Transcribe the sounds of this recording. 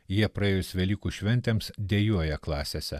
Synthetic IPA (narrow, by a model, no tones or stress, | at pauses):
jiɛpɾɐeːjʊsʋʲɛlʲiːkuːʃʲʋʲɛnʲt̪ʲeːmsd̪ʲejuɔjɛklˠɑːsʲesʲɛ